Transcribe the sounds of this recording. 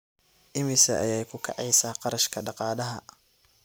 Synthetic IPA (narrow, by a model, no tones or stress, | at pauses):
ʔɪmɪsɐʔɐjɛːjkʰʊkʰɑ̰ʕɑjsaːqɑɾɐʃkʰɐɖɑqɑːðɐɦɐ̰